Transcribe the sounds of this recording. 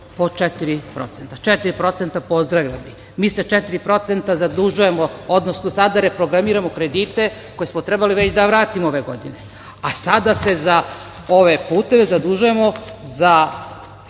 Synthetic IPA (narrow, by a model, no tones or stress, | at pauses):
po̞t͡ʃet̪iɾipɾo̞̰t̪se̞nt̪at͡ʃet̪iɾipɾo̞t̪se̞nt̪apo̞zd̪ɾaʋʎami | miːse̞t͡ʃet̪iɾipɾo̞t̪sent̪azad̪uʒuje̞mood̪nosnosad̪aɾe̞pɾo̞ɡɾamiːɾamo̞kɾe̞d̪iːt̪e̞ko̞je̞smot̪ɾe̞baliʋet͡ɕd̪aʋɾaːt̪imoo̞ʋe̞ɡo̞̰d̪ḭne̞ | asad̪ase̞za | o̞ʋe̞puːt̪e̞ʋe̞zad̪uʒuje̞mo̞za